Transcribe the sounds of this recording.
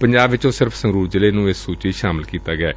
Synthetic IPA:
pəɲd͡ʒaːbʋɪt͡ʃõːsɪɾfʰsəŋɡɾuːɾd͡ʒɪleːnũːɪsːuːt͡ʃiːʃaːmɪlkiːt̪aːɡɪɛ̰ː

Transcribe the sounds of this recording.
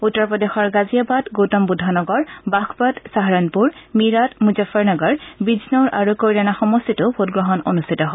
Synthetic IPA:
utːɔɹpɔdexɔɹɡazijabatɡowtɔmbudʱːanɔɡɔɹbakʰbatsaɦaɹɔnpuɹmiɹatmuzafɔɹnɔɡɔɹbiznɔɹʔa̰ɹukːoɹiɹanaxɔmɔstʰitʊpʰotɡɹɔɦɔno̰nustʰitɔɦɔ

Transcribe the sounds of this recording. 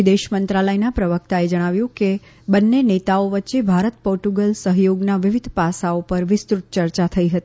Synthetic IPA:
id̪eʃmənt̪ɾaləjnapɾəʋək̚t̪aed͡ʒəɽ̃aʋjũke | bənːenet̪aoʋətːʃebʱaɾət̪poɾʈuɡəlsəɦjoɡnaʋɪʋɪd̪ʱpasaopəɾʋɪst̪ɾut̪̚t͡ʃəɾt͡ʃat̪ʰəiɦət̪ii

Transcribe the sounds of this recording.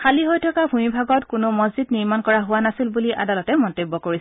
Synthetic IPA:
kʰaliɦojtʰɔkabʱumibʱaɡɔtkʊnʊmɔzzidniɹmankɔɹaɦʊwanasilbuliʔa̰dalɔtɛmɔntobːɔkoɹis

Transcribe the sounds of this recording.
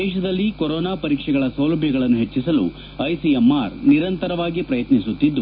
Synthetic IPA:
ɛːʃɐd̪ɐlːikoɾɔːnaːpɐɾiːkʂɛɡɐɭɐsɐwlɐbʱjɐɡɐɭɐnːuɦet͡ʃːisɐlṵ | ɐjsiemːaːɾniɾɐnt̪ɐɾɐʋaːɡipɾɐjɐt̪nisut̪ːid̪ːu

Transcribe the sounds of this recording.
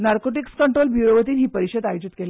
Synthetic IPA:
naɾkoʈ̬ikskəɳʈɾolbjuɾoʋət̪iːnɦiːpəɾiɕəd̪ajod͡ʑit̪kele

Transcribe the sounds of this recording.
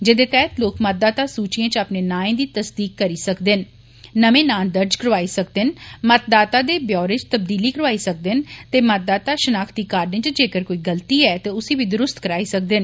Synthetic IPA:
d͡ʒɪd̪eːt̪ɛːɦt̪loːkmət̪̚d̪aːt̪aːsuːt͡ʃijãːt͡ʃaːpneːnãːẽːd̪iːt̪əsd̪iːkːəɾiːsəkd̪enː | əmẽːnaːld̪əɾd͡ʒkəɾʋaːisək̚d̪ɪnmət̪̚d̪aːt̪aːd̪eːbjɔːɾet͡ʃt̪əbd̪iːliːkəɾəʋaːiːsək̚d̪ɪnt̪eːmət̪̚d̪aːt̪aːʃənaːkʰd̪iːkaːɾnẽːt͡ʃd͡ʒeːkəɾkoːiːɡəlt̪iːɛːt̪eːʊsiːʋiːd̪ʊɾʊst̪kəɾaːiːsək̚d̪en

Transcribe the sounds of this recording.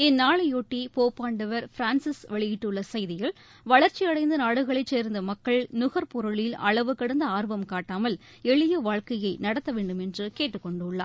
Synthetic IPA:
ɛnːaːɭɐjoːʈːipoːpːaːɳɖɐʋɐɾfɪɾaːnsɪsʋɛɭɪjɪʈːɯɭːɐsɐjðɪjɪl | ʋɐɭɐɾt͡ʃiɐɽɐɪnd̪ɐnaːɽɯɣɐɭɐɪt͡ʃːeːɾnd̪ɐmɐkːɐɭnʊɣɐɾpɔɾɯɭɪlɐ̰ɭɐʋɯkːɐɽɐnd̪ɐaːɾʋɐmkaːʈːaːmɐl | ɛɭɪjɯʋaːɻkɐjɐɪnɐɽɐt̪ːɐʋeːɳɖɯmɛndrɯkeːʈːɯkːɔɳɖɯʊɭːa̰ː

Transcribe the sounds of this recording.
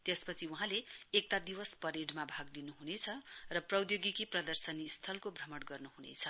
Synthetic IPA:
t̪espʌt͡sʰiuɦãleːk̚t̪ad̪iwʌspʌɾeɖmabʱaɡlinuɦunet͡sʰʌrʌprʌwd̪joɡikiprʌd̪ʌrsʌnist̪ʰʌlkobʱrʌmʌɽɡʌrnuɦunḛt͡sʰʌ

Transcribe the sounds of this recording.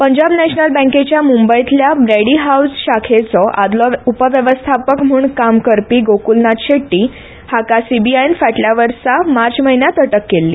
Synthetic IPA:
pəɲd͡ʑabnɛɕnəlbə̃ket͡ɕjamumbəjit̪ljabɾeɽiɦausɕakʰet͡sɔʔad̪lɔupəʋjəʋəst̪ʰapəkm̤uːɳkamkəɾpiːɡokulnat̪ɕeʈːiː | hakasibiainfaʈljaʋəɾsamaɾt͡sməɦinjat̪əʈəkːelːḭː

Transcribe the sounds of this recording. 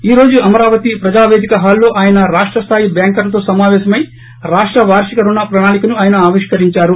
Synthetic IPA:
iːɾo̞ːd͡ʒuɐmɐɾaːʋɐt̪ipɾɐd͡ʒaːʋe̞ːd̪ʱikɐɦaːlːo̞ːʔaːjɐnɐɾaːʂʈɾɐst̪ʰaːjibjaːŋkɐlɐt̪̬o̞ːsɐmaːʋɛːʃɐmɐji | ɾaːʂʈɾɐʋaːɾʂikɐɾunːɐpɾɐnaːnikɐnuaːjɐnɐaːʋiʂkɐɾiɲt͡ʃaːɾu

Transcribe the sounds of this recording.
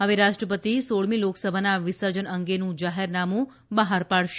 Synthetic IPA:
ɦəʋeɾaʃʈɾəpət̪isoɭmĩloksəbʱanaʋɪsəɾd͡ʒənəŋɡenũd͡ʒaɦeɾnamũ | bəɦaɾpaɭʃ

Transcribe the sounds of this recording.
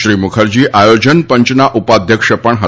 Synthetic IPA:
ʃɾimukʰəɾd͡ʒiʔajod͡ʒənpə̃ɲt͡ʃnaʔupad̪ʱjəkʃəpəɳɦə

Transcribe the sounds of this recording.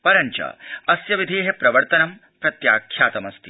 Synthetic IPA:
pɐɾɐɲt͡ʃɐ̰ɐsjɐʋid̪ʱeːɦepɾɐʋɐɾt̪ɐnɐm | pɾɐt̪jaːkʰːjaːt̪ɐmɐst̪ʰi̥

